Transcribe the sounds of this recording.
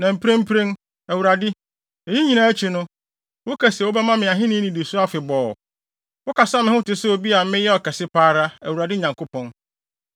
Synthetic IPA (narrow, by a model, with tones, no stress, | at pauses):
nã˨m̩˨pɾẽ˦m̩˦pʰɾẽ˦n | æ˨wu˨ɾa˨dɪ˦ | e˨ji˦ɲĩ˨nã˨æ˦t͡ɕʰi˨nʊ̃˦ | wʊ˦kʰæ˨swʊ˦bɛ˦mã˦mɪ̃˨a˨ɦɪ̃˦nɪ̃˦nĩ˨di˨sʊ˦a˦fɪ˨bɔː˨ | wʊ˦ka˨sa˦mɪ̃˦hʊ̃˦tɪ˨sɛ˦o˨bi˦a˨˦mɪ̃˦jɛ˦ɔ˨kɛ˨sɪ˦pʰaː˦ɾa˦æ̰˨wu˨ɾa˨dɪ˦ɲã˨ŋkʰo˦pʰɔ̃˦n